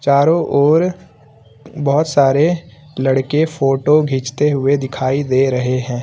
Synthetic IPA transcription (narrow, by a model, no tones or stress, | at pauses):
t͡ʃaːɾõʔɔːɾ | bɐɦʊt̪saːɾe | lɐɽkefʰoːʈoɡʱiːt͡ʃt̪eɦʊed̪ɪkʰaːid̪eːɾɐɦeɦɛ̃ː